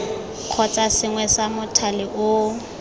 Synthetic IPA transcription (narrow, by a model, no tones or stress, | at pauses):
q͡χʰɔt͡sʼasɪŋwɛsamʊtʰalɪʔʊ